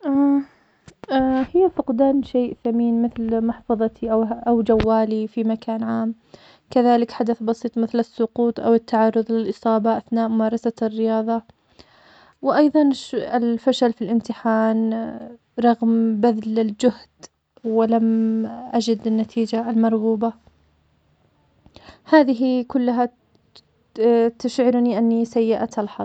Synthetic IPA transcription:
ʔa | hɪjːafʊqd̪aːnʃeːʔθamiːnmɪθlmɑħfɑðˤɑt̪ʰiʔawʔawd͡ʒawːaːlifimakʰaːnʕaːm | kaðaːlɪkħad̪aθbɑsˤiːt̪ˤmɪθlɪsːʊquːt̪ˤʔa̰wɪt̪ːaʕɑrˤːʊðˤlɪlʔɨsˤɑːbɑʔaθnaːʔmʊmɑːɾˤɑsarːɪjɑːðˤɑ | wɪʔɑjðˤɑnʃɪlfaʃalfilʔɪmt̪ɪħaːn | ɾˤɑɣmbaðlɪld͡ʒʊhd̪̥ | wɪlamʔad͡ʒɪd̪ɪnːat̪ʰiːd͡ʒalmɑɾˤɣuːba | haːðɪɦikʊlːaɦa | t̪aʃʕɪɾniʔanːisajːɪʔat̪alħɑˤ

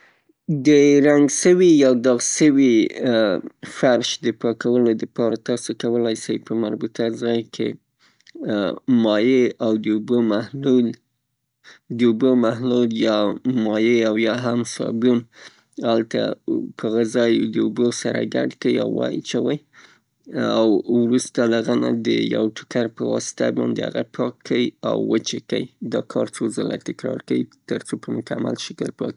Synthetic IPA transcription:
d̪əɾaŋɡʃəwijawd̪ɑɣsəwi | faɾʃd̪əpɑkawəlod̪əpɑɾat̪ɑsokawəlajsajpəmaɾbut̪azɑjkʰḛ | mɑjeawd̪əubəmahlul | d̪əubəmaɦluljɑmɑjeawjɑɦamsɑbjun | alt̪a̰pʰəɣazɑjd̪əubosaɾa̰ɡaɖkawia̰wwɑj̰t͡ʃawaj | awwɾust̪alaɣanad̪ə̰ja̰wʈʊ̥kaɾpəwɑsɪ̥t̪abɑ̰nd̪eha̰ɣapʰɑkʰːawiawːət͡ʃekawid̪ɑkʰɑɾt͡sozəla̰t̪ɪkɾɑɾkawit̪əɾt͡sopəmʊkamalʃəkəlpɑ̰ki̥

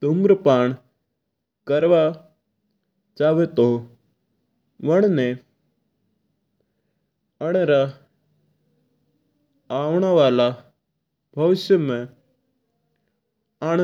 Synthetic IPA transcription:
t̪ʊmɾəpaːɳ̃ | kəɾʋa | t͡ʃaːʋet̪o | ʋəɳ̃ne | əɽ̃eɾa | aːʋɽ̃aʋaːla | bʱɐʋɪsjəmẽ | aːɽ̃

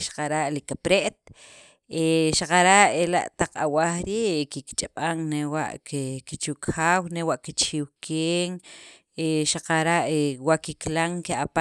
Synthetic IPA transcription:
ʃḁqaɾaʔlikapɾeʔt̪̚ | eʃaqaɾaʔela̰ʔt̪aq͡χa̰waxɾiːʔkikt͡ʃʼaɓ̥aŋnewa̰ʔkekit͡ʃukxaːwnewaʔkit͡ʃiwkʰeːŋ | eʃaqaɾaʔewaʔkiklaŋkeapa

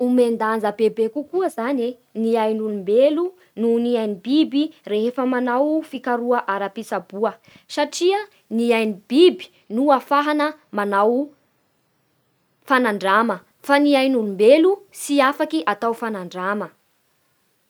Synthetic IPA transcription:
umend̪and͡zəbebekukuəzane | niajnulumbelu | nuniajnibibireɦefəmanawfikaɾuəʔaɾapisabuə | saʈ͡ʂiə | niajnib̥ibi̥ | nuafaɦanəmanaw | fanaɳɖ͡ʐamə | faniajnulumbelusiafakiʔat̪awfanaɳɖ͡ʐamə

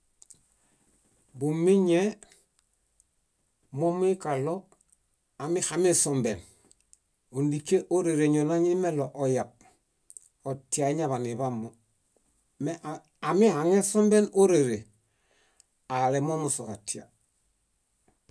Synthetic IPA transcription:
bumːiɲe | momuikalo | amixamisombḛn | undikeʔoɾeɾeɲonaɲimeloʔojab̚ | otiaɲaβaniβamːo | meʔ | amihaŋesombenoɾeɾe | alemomusokatia̰

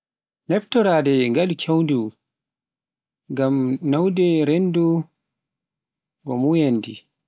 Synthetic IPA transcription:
nɛftɔɾaːdɛŋɡalkʰewndu | ŋɡamnawdɛɾendu | ɡɔmujandi

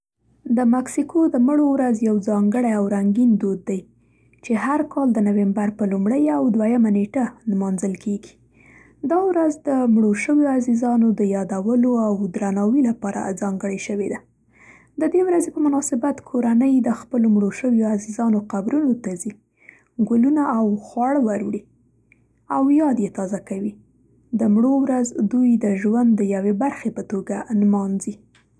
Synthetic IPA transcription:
d̪əmaksikʰod̪əməɽowɾazjawzɑŋɡəɽajawɾaŋɡind̪od̪ːaj | t͡ʃeɦaɾkʰɑld̪ənawembaɾpəlumɽəjawd̪wajamaneʈanmɑnzəlkʰeɡi̥ | d̪ɑwɾazd̪əmɽoʃəwjoazizɑnod̪əjɑd̪awəloawd̪ɾanɑwilapɑɾa̰zɑŋɡəɽajʃəwed̪a | d̪əd̪ewɾazepəmʊnɑsɪbat̪kʰoɾanəjd̪əxpəlomɽoʃəwjoazizɑnoqabɾunot̪azi | ɡʊlunaːwxwɑɽwaɾɽi | awjɑd̪jet̪ɑzakawi | d̪əmɽowɾazd̪ujd̪əʒwand̪ːəjawebaɾxepət̪oɡanmɑnzi

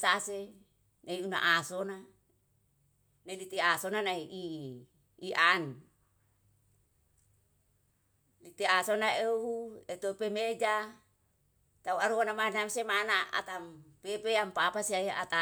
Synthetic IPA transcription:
sase | naiuna̰ʔasona | nailit̪iasonanaiiː | ʔan | lit̪easonaeuet̪opemed͡ʒa | t̪auaɾuonamanamsemanaa̰t̪ampepeampapasiaia̰t̪a

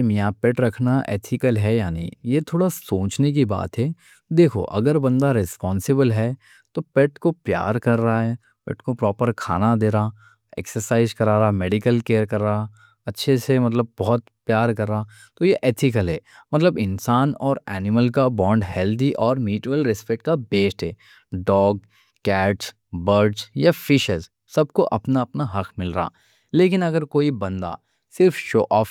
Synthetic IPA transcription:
mijapɛʈɾɐkʰnaʔḛːt̪ʰɪkəlɦɛjaːnḭ̃ːjet̪ʰoːɽasoːt͡ʃnek̬iba̰ːt̪ɦɛː | d̪eːkʰo̰ʔɐ̰ɡəɾbɐ̃nd̪aɾɪspɔːnsɪbəlɦɛ | t̪opɛʈkopja̰ːɾkɐɾːaɦɛ | pɛ̰ʈkopɾɔːpəɾkʰa̰ːnad̪eːɾaː | ɛ̰ksəɾsaːɪzkɐɾaːɾameːɖɪkəlkeːəɾkɐɾːa | ɐtːʃʰesemɐt̪ləb̚ːɔɦɔt̪pjaːɾkɐɾːaa | t̪ojeʔeːt̪ʰɪkəlɦɛːmɐt̪ləbɪ̃nsaːnɔːɾɛːnɪməlkabɔ̃ːɳɖɦɛːld̪iʔɔːɾmiːʈʋəlɾɪspɛʈ̚kabeːsʈɦɛː | ɖɔːɡ̚ | kɛːʈs | bəɾɖzjafɪʃəz | sɐb̚koʔɐpnaɐpnaɦɐkʰmɪlɾaa̰ː | leːkɪnɐɡəɾkoːibɐ̃nd̪a̰ | sɪɾfʃoːʔɔːf

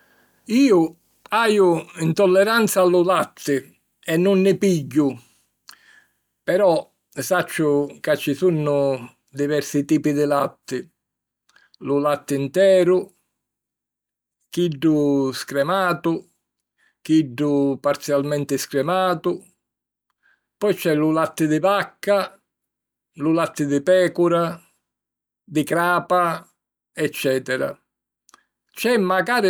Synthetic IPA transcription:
iːʊ | aːjʊint̪ɔlːɛɾant̪salːʊlat̪ʰːɪ | ɛnːʊnːɪpiɟːʊ | pɛɾɔ | sat͡ʃːʊkat͡ʃːɪsunːʊ | d̪ivɛɾsɪt̪iːpid̪ɪlat̪ːɪ | lʊlat̪ːɪint̪ɛːɾʊ | kiɖːʊskɾɛmaːt̪ʊ | kiɖːʊpaɾt̪sjalmɛnt̪ɪskɾɛmaːt̪ʊ | pɔjt͡ʃɛlulat̪ːɪd̪ɪbakːa | lulat̪ːɪd̪ɪpɛːkʊɾa | d̪ɪkɾaːpa | ɛt͡ʃːɛːt̪ɛɾa̰ | t͡ʃɛmːaɡaːɾɪ

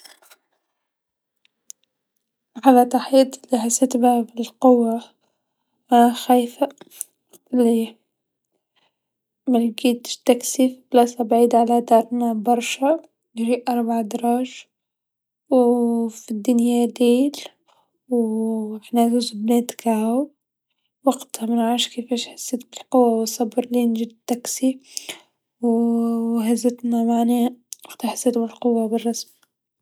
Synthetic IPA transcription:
ʕalat̪ɑħiːt̪ˤɪlːiħasɪt̪babɪlqʊwːa | aaxajfa | ɪlːi | malɡiːt̪t̪aksiːfblɑsabʕiːd̪ʕalad̪ɑːɾˤnabɑɾˤʃa | jʒiːʔʔɑɾˤbʕd̪ɑɾˤɑːʒ | wfid̪ːʊnjad̪eːl | wɪħnazuːzbneːt̪kaha | waɡt̪hamɪnʕaːʃkeːfeːʃħḁsːɪt̪bɪlqʊwːawɪsˤːɑbɾˤlinʒid̪t̪ːaksi | w | hazɪt̪namaʕniɑqt̪aħḁsːɪt̪bɪlqʊwːabɪrˤːɑsm

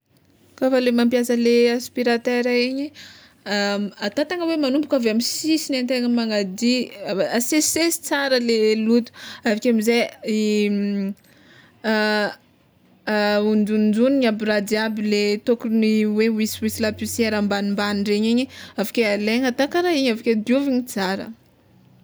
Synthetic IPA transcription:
kafalemampijasəleaspiɾat̪eɾaeɲi | at̪at̪aŋəwemanumbukavamisisinant̪eŋəmaŋad̪iasesesi̥t͡saɾəlelut̪u̥avikʲamizei | und͡zund͡ʒuniɲabirad̪iabilet̪okuniwewiswisilapuseɾambanimbaniɳɖ͡ʐeɲeɲiavḁkʲealeɲat̪akaɾaiɲavakʲed̪iuviɲit͡saɾə̰

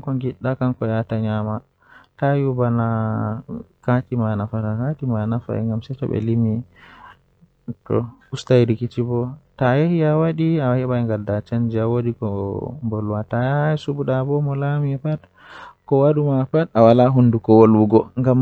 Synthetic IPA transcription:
kɔŋɡiɗːakankɔjataɲama | tajubana | katimanafatakatimanafa̰ɛ̰ŋɡamsɛtɔ̰bɛ̰limi | tɔ̰ustajɾikit͡ʃibɔtajehiawaɗiahɛɓaŋɡadat͡ʃand͡ʒiawodikɔmbɔlwatasubuɗabɔmɔlamiɛpat | kɔwaɗumapatawalaɦundukɔwoluɡɔŋɡam

